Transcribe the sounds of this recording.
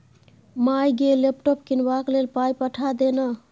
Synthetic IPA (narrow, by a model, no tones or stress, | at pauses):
majɡelepʈɔp̚kinbaklelpajpəʈʰad̪ena